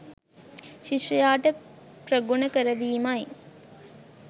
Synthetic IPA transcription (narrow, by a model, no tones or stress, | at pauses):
ʃiʃrijaːʈəpɾəɡunəkəɾəʋiːmaj